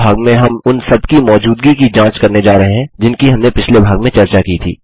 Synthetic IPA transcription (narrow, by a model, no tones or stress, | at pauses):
aːɡmẽɦɐmʊnsɐbkimɔːd͡ʒuːd̪ɡikid͡ʒãːt͡ʃkɐɾned͡ʒaːɾɐɦeɦɛ̃d͡ʒɪnkiɦɐmnepɪt͡ʃʰlebʱaːɡmẽt͡ʃɐɾt͡ʃakiːt̪ʰḭː